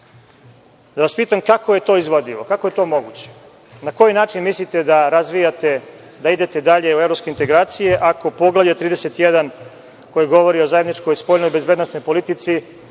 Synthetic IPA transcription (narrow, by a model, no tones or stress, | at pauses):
d̪aʋaspiːt̪amkako̞je̞t̪o̞ːizʋod̪iʋo̞kakoje̞t̪o̞ːmo̞ɡut͡ɕe̥ | nako̞jinaːt͡ʃinmislit̪e̞d̪aɾazʋijat̪e | d̪aid̪e̞t̪e̞d̪aʎe̞uevɾo̞pskeint̪e̞ɡɾaːt̪sije̞ʔako̞po̞ɡlˠaʋʎat̪ɾiːd̪e̞se̞t̪jed̪an | ko̞jiɡo̞ʋo̞ɾio̞zaed̪nit͡ʃko̞jspo̞ʎnojbe̞zbed̪nosno̞jpo̞lit̪it̪si